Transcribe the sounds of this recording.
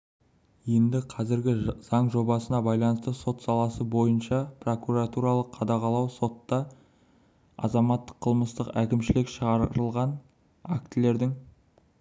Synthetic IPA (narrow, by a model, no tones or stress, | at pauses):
je̞nd̪ɪqʰɑzɪɾɡʲɪz̥ɑɴʒo̞bɑsənɑbɑjlˠɑnəst̪əso̞t̪sɑlˠɑsəbo̞jənʃɑpro̞kuɾat̪uɾɑlˠəqʰːɑd̪ɑʁɑlˠɑwso̞t̪ːɑ | ɑ̰zɑmɑt̪ːə̥qʰːəlˠməst̪əqækʲɪmʃɪlɪkʃəʁɑɾɾəlˠʁɑn | a̰k̚t̪ɪle̞ɾd̪ɪŋ